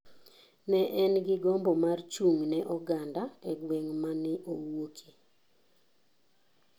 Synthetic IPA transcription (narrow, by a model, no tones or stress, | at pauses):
nɛʔɛnɡɪɡɔmbɔmart͡ʃuŋnɛʔɔɡandaɛɡweŋmanɪʔowokʰi